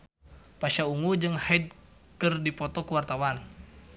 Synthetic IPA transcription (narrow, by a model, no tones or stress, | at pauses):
paʃauŋud͡ʒɨŋhaid̪̚ | kərdipɔt̪ɔkuwart̪awan